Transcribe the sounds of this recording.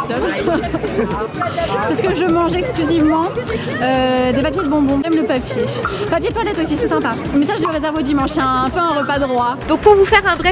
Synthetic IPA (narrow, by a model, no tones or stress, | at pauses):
sœv | sɛsə̥kəʒəmɑ̃ʒɛksklyzivmɑ̃ | ød̪epap̬ʲjed̪əbɔ̃bɔ̃ʒɛmləpapjepapjed̪t̪walɛt̪osisɛsɛ̃pa | mɛsaʒeləʁezɛʁvod̪imɑ̃ʃɛ̃ːpøɛ̃ʁəpad̪əʁwad̪ɔ̃k̚puʁvufɛʁɛ̃bʁɛ